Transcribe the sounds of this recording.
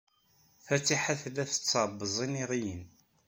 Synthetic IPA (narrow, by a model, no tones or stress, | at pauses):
fæt͡sːiħaθlæθə̥t͡sːɑɾˤbːəzˤiniʁijən